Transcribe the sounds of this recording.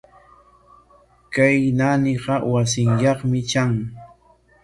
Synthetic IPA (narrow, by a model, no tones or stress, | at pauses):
kajnanɪɢɑwasɪŋjɑχmɪt͡ʃaŋ